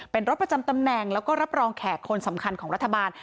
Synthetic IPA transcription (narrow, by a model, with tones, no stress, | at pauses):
pe˧nɾo˦˥t̪̚pɾa˧t͡ɕa˧mt̪a˧mnɛː˨˩ŋlɛː˦˥wkɔː˥˩ɾa˦˥p̚ɾɔː˧ŋkʰɛː˨˩tkʰo˧nsa˩˦mkʰa˧nkʰɔː˩˦ŋɾa˦˥t̪ʰːa˧baː˧n